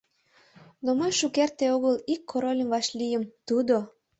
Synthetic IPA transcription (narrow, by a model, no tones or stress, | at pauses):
nomojʃukert̪eoɣəlikʰːoɾolʲəmvɑʃlʲijəmt̪ud̪o